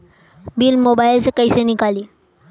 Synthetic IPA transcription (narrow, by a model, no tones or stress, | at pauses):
biːlmobajlsekəjsenikaliː